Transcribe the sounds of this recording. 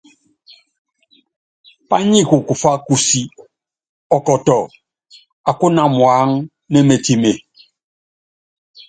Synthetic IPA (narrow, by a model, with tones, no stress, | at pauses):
pa˦ɲi˦˨ku˨ku˨fa˦ku˦si˨ | ɔ˨kɔ˨tɔ˨ | a˨ku˦na˦mwa˨˦ŋ | nɛ˦me˨ti˨me˨